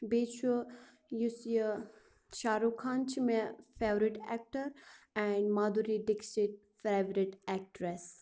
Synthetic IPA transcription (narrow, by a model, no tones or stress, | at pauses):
beːt͡ʃʰu | jusiə | ʃaːɾukʰãːnt͡ʃʰimefeːʋɾiʈɛ̰k̚ʈəɾɛ̃ɳɖmad̪uɾiɖɪksiʈ̚ | feːʋɾiʈɛk̚ʈɾɛs